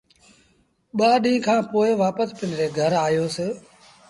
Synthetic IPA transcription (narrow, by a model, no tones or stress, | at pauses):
ɓaːɗĩːkʰãːpoːɪʋaːpəspɪnɾeːɡʱəɾaːɦjoːsɪ